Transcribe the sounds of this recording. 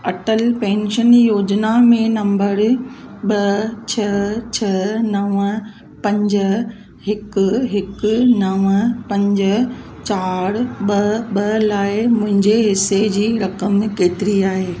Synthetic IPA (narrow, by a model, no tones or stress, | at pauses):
ɐʈəlpɛ̃ːnʃənjoːd͡ʑnamẽnɐ̃mbəɾɓɐt͡ɕʰɐt͡ɕʰɐnɐʋə | pɐ̃ɲd͡ʑ | ɦɪkʊ̆ɦɪknɐʋəpɐ̃ɲd͡ʑə | t͡ɕaːɾɓɐɓɐlaːɪmʊ̃ɦɪ̃ɲd͡ʑeɦɪsed͡ʑiːɾɐkəmkeːt̪ɪɾiaːɦeː